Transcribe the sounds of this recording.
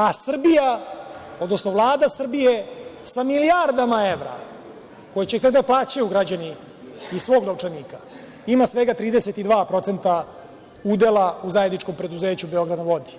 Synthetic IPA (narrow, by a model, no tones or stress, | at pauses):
asr̩bija | od̪no̞snoʋvlˠaːd̪asr̩bijesamilijaɾd̪amae̞ʋɾa̰ | ko̞jet͡ɕekt̪aɡd̪aplˠaːt͡ɕajuɡɾad͡ʑani | isʋo̞ːɡnauʈ͡ʂeniːka | imasʋe̞ɡat̪ɾiːd̪eset̪id̪ʋaːpɾo̞t̪se̞nt̪a | ud̪elauzajed̪nit͡ʃko̞mpɾe̞d̪uzeːt͡ɕubeo̞ɡɾad̪naʋo̞d̪i̥